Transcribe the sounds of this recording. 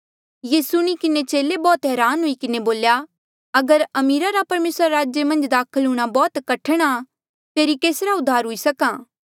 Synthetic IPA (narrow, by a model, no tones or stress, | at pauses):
jeːsʊɽ̃ikɪnet͡ʃeːlebɔːt̪ɦɛːɾaːnɦʊikɪneboːlja | ɐɡəɾɐmiːɾaɾapɐɾmeːsɾaɾaːd͡ʒjemɐ̃nd͡ʒd̪aːkʰəlɦʊːɽ̃abɔːt̪kɐʈʰɽ̃a | t̪eːɾikeːsɾaʊd̪ʱːaːɾɦʊisɐkãː